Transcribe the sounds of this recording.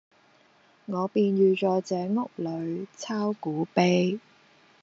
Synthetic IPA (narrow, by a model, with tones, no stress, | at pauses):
ŋɔː˨˧piː˧nɥyː˨˧t͡sɔː˨˥t͡sɛː˨˥ŋʊ˨˥k̚lɵ˨˧ɥt͡sʰaː˥wkuː˨˥pe˥j